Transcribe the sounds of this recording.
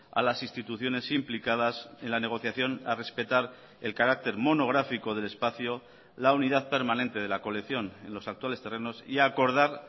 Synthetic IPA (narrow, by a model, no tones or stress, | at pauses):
a̰lasinst̪it̪uθjo̞ne̞simplikaðase̞nlane̞ɣ̞o̞θjaθjo̞nare̞spe̞t̪aɾ | e̞lkaɾak̚t̪e̞ɾmo̞no̞ɣɾafiko̞ð̞e̞le̞spaθjo | launiðaðpe̞ɾmanẽ̞nt̪e̞ð̞e̞lako̞lekθjo̞ne̞nlo̞sak̚t̪wale̞st̪e̞reno̞siako̞ɾð̞aɾ